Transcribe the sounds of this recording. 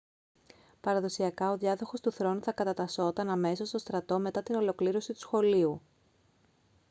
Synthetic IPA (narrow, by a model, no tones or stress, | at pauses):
pɐɾɐðo̞siɐkɐo̞ðʝɐðoxo̞st̪uθɾo̞nuθɐkɐt̪ɐt̪ɐso̞t̪ɐnɐme̞so̞st̪o̞st̪ɾɐt̪o̞me̞t̪ɐt̪ino̞lo̞kliɾo̞sit̪u̥sxo̞liu